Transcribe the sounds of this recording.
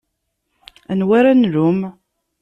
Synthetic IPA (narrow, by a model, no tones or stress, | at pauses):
ænwaɾænɾʊm